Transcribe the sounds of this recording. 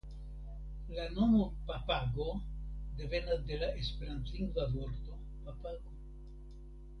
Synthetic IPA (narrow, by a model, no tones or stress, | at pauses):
lano̞mopapaɡo̞de̞ve̞nade̞lae̞spe̞ɾant̪liŋɡvavo̞ɾt̪o̞ | papaɡo